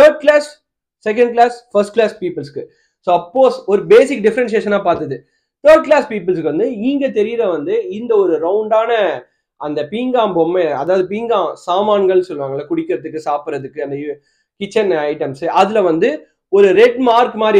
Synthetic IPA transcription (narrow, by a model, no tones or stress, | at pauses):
t̪ɐːɾɖ̚klaːsː | ɛk̬ɐ̃ɳɖklaːsfɐsʈklaːspiːpɪlskːɯ | soːɐpːoːsɔɾɯbeːsɪk̚ːɖɪfɐɾɛns̬eːʃɐnːaːpaːɾt̪ɐðɯ | t̪ɐːɾɖ̚klaːspiːp̬ɐlskːɯʋɐnd̪ɯiːŋɡet̪ɛɾɪjɪɾɐʋɐnd̪ɯɪnd̪ɐɔɾɯɾɐʊɳɖaːnɐ | ɐnd̪ɐpiːŋɡãːmbɔmːeɐðaːʋɐðɯpiːŋɡãːsaːmaːnɡɐɭsɔlːɯʋaːŋɡɐɭːɐkʊɽɪkːɪɾɐðɯkːɯsaːpɪɾɐðɯkːɯɐnd̪ɐ | kɪt͡ʃːɐnɐɪʈɐmsɐðɪlɐʋɐnd̪ɯ | ɔɾɯɾɛɖmaːɾkmaːd̪ɾ